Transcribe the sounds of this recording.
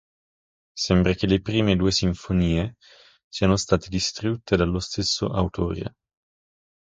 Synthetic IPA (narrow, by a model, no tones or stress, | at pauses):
sɛmbɾak̟elepɾiːmed̪uːesiɱfoniːe | siːanost̪aːt̪ed̪ist̪ɾut̪ːed̪alːost̪esːo̰ʔawt̪oːɾḛ